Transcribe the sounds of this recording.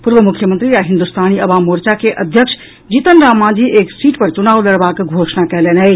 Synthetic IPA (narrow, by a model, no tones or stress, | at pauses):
puɾʋəmukʰːjəmənt̪ɾiɾaɦind̪ust̪aːniɐʋaːmoɾt͡ʃakeʔəd̪ʱjəkʂʰ | d͡ʒit̪ənɾaːmːãːd͡ʒiʔeːksiːʈpəɾt͡sunaːwlɐɽbaːkɡʱoːsnakɛlenɐj